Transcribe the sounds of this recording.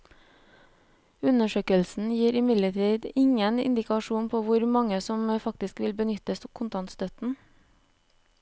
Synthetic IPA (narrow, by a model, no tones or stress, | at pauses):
ʉnəʃøːkəlsn̩jiːɾɪmɪd̪ləʈʰiːd̪ɪŋənɪ̰nd̪ɪkɑʃuːnpʰoːʋʊɾmɑŋəsɔmfɑkt̪ɪskʋɪlbənʏt̪əskʰʊnt̪ɑnt̪st̪œt̪n̩